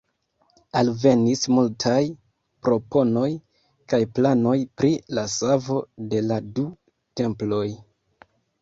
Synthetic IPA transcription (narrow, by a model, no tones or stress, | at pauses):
alve̞nismultʰaj | pɾo̞po̞no̞j | kajplano̞jpɾilasavo̞de̞ladu | te̞mplo̞j